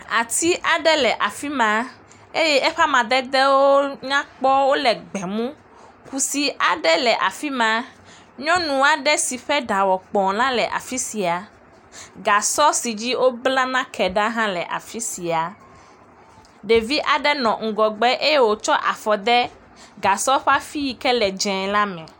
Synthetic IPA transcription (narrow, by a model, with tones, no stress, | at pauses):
a˨t̪i˦ʔa˨ɖɛ˦lɛ˨ʔa˨fi˦mã˨ | e˦jɛ˦ʔɛ˦ɸa˦mã˨d̪ɛ˦d̪ɛ˦wo˦ɲã˦k͡pɔ˦wo˦lɛ˨ɡ͡bɛ˨mũ˦ | ku˨si˨ʔa˨ɖɛ˦lɛ˨ʔa˨fi˦mã˨ | ɲɔ̃˦nũ˨a˨ɖɛ˦si˨ɸɛ˦ɖa˨wɔ˨k͡pɔ̃˨lã˦lɛ˨ʔa̰˨fi˦si˨a˨ | ɡa˨sɔ˦si˨d͡ʑi˦wo˦bla˦nã˦kʰɛ˨ɖa˦ɦã˦lɛ˨ʔa̰˨fi˦si˨a˨ | ɖe˨vi˦ʔa˨ɖɛ˦nɔ̃˨ŋ̩˨ɡɔ˨ɡ͡bɛ˦ʔe˦je˦wo˨t͡ʃɔ˦ʔa˨fɔ˨d̪ɛ˦ | ɡa˨sɔ˦ɸa˦fi˦ji˨kɛ˦lɛ˨d͡ʒɛ̃˨la˦mɛ̃˨